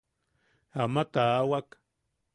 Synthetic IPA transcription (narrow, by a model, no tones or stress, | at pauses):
amat̪aːwak